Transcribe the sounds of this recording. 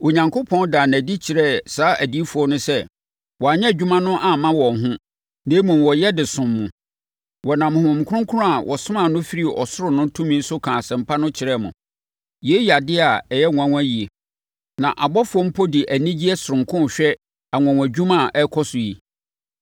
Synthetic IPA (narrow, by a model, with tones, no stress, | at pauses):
o˨ɲã˨ŋkʰʊ˦pʰɔ̃˦ndaː˨næ̃˨di˦t͡ɕʰɪ˨ɾɛ˦˨saː˨˦ʔæ˨di˦fu˨ɔ˦nʊ̃˦sɛ˦ | wɔ˨a˨ɲɛ̃˦˨d͡ʑᶣu˦mã˦nʊ̃˦ʔa˨mã˦wɔ̃˨ɦʊ̃˦ | neː˦mũ˨wɔ˨jɛ˦dɪ˨sʊ̃˨mːʊ̃˨ | wɔ˨nã˨m̃˨hʊ̃˨m˨kʰʊ˦ʊ̃˦ŋkʰʊ˦ʊ̃˦a˨wʔɔ˨sʊ̃˦mã˨nʊ̃˦fi˦ɾi˦ɔ̰˨sʊ˦ɾʊ˨nʊ̃˦tʰũ˦mĩ˦sʊ˦kʰã˨sɛ̃˨m̩˨˦pʰa˦nʊ̃˦t͡ɕʰɪ˨ɾɛ˦˨mʊ̃˨ | je˦ji˨a˨dɪ˦a˨ɛ˨jɛ˦ŋʊ̃˨æ̃˨ŋ̃ʷ˦æ˦ji˨e˨ | nã˨ʔa˨bɔ˦fʊ˨˦ɔ˦m̩˦pʰɔ˦di˨ʔæ˨nĩ˦d͡ʑi˦ɛ˦sʊ˨ɾʊ̃˨ŋkʰʊ̃˦n˨ɕᶣɛ˦ | a˨ŋʷʊ̃˨ã˨w̃æ˨d͡ʑᶣu˦mã˦˨ʔɛ˦kʰɔ˦sʊ˨ji˨